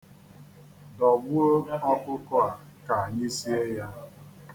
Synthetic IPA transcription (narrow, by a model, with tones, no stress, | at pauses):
dɔ˨ɡ͡bʊ˦o˦ɔ˦kʊ˦kʊ˦a˨ka˨a˨ɲɪ˦si˦e˦ja˦